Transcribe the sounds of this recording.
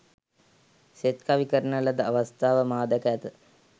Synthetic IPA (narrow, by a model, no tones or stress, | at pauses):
set̪kaʋikəɾənləd̪əaʋast̪aːʋəmaːd̪əkəæt̪ə